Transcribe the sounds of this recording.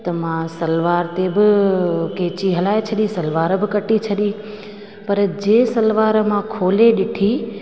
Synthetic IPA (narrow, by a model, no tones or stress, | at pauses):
t̪ɐmãsɐlʋaːɾt̪ebɪkeːt͡ɕiɦɐlaːet͡ɕʰɐɗĩsɐlʋaːɾbɪkɐʈit͡ɕʰɐɗĩ | pɐɾd͡ʑeːsɐlʋaːɾmãkʰoːleɗɪʈʰi